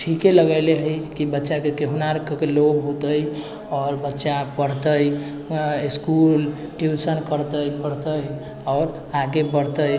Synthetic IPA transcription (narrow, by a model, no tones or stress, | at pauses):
ʈʰikeləɡəleɦəjkibətːʃakekeɦunaɾkəkelobɦot̪əj | ɔɾbətːʃapəɽt̪əj | skulʈjusənkəɾt̪əjpəɽt̪əj | ɔːɾ | aɡebəɾt̪əj